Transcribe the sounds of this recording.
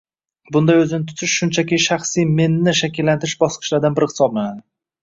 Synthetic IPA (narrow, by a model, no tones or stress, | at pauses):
bʊnd̪ajɵzɪnɪt̪ʰʊ̥t̪ʰɪʃʃʊnt͡ʃʰakʲɪʃaχsijme̞nːɪʃakʲʰɪlːant̪ʰɪɾɪʃbɒsqʰɨ̥ʃlaɾd̪anbɪɾχsɒb̚maanɪ